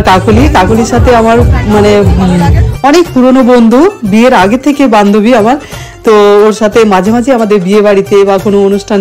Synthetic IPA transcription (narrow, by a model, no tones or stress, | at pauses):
ʈakoliʈakoliɾʃat̪ʰeamaɾmane | ɔnekpuɾonobond̪ʱubieɾaɡet̪ʰekeband̪ʱobiamaɾ | t̪ooɾʃat̪ʰemad͡ʑʱemad͡ʑʱeamad̪eɾbiebaɽit̪ebakonoonuʃʈʰan